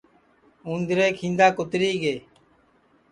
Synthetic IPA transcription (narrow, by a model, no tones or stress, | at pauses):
ũːnd̪ɾeːkʰĩːnd̪aːkʊt̪ɾiːɡeː